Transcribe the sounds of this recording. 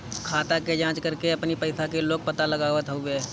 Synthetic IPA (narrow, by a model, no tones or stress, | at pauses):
kʰaːt̪aked͡ʒãːt͡ʃkəɾkeɐpnipəɪsakeloːɡ̚pət̪aləɡaːʋət̪ɦoe